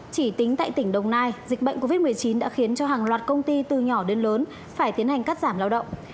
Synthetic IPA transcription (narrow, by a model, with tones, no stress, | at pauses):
t͡ɕi˧˩t̪ï˨˦ŋt̪a̰ː˧˨jt̪ï˧˩ŋ̟ɗə˨˩wŋ͡mnaː˧jzi˨˩k̟̚ɓə̰˧˨jŋ̟ko˧vi˦˥t̚m˨˩əjt͡ɕi˨˦nɗa̰ː˧˥xi˨˦ənt͡ɕɔ˧ɦaː˨˩ŋlwaː˨˩t̚kə˧wŋ͡mt̪i˧t̪ɨ˨˩ɲɔ˧˩ɗe˧nləː˨˦n | faː˧˩jt̪i˨˦ənha˨˩ŋ̟kaː˦˥t̚zaː˧˩mlaː˧wɗə̰˧˨wŋ͡m